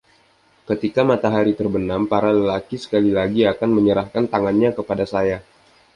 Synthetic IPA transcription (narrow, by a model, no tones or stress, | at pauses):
kət̪ikamat̪aɦaɾit̪ərbənampaɾaləlakisə̥kalilaɡiakanməɲəɾahkant̪aŋanɲakəpadasaja